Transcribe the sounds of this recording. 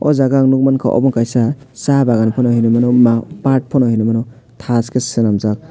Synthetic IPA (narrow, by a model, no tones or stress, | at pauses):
ɔ̰zaɡaŋnuk̚mankʰa̰ʔɔ̰bɔŋkajsa | sabaɡanpʰɔnɔhinumanɔmapat̚pʰɔnɔhinumanɔ | tʰaskesɯnamzak̚